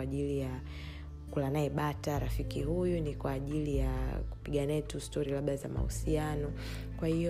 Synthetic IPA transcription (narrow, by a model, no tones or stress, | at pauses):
aʄilija | kulanaɛɓataɾafikihujunikwaːʄilijaku̥piɠanɛɛtustɔɾilaɓɗaza̰ma̰hṵsianɔ | kwahiɔ